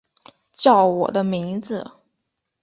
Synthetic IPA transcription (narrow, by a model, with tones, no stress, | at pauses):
t͡ɕjɑ˥˩ʊwɔ̰˨˩d̪ə˦mi˧˥ŋd͡zɹ̩˧